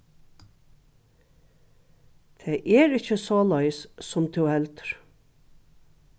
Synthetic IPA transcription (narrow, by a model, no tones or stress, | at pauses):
t̪ʰeːʔɛɹɪcːəsoːlɑjssʊmt̪ʰuwhɛlt̪ə̥ɹ̥